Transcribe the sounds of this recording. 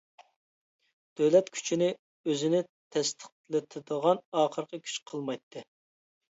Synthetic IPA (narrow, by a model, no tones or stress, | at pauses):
d̪̥øwlɛt̪kʲʰy̥t͡ʃʰinɪ | øzɪnɪt̪ʰɛst̪ʰə̥qlˠɨt̪ʰɨd̪əʁɑnɑːχəɾqʰəkʲʰy̥t͡ʃqʰəlˠmɑjt̪ʰːɨ